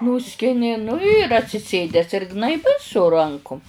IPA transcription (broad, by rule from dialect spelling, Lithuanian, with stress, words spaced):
ˈnuːsʲkʲɪnʲɪ nʊ ɪr ɐtʲsʲɪˈsʲeːdʲɛs ɪr ɡnɐɪˈbɐɪ sʊ ˈrɐŋkʊm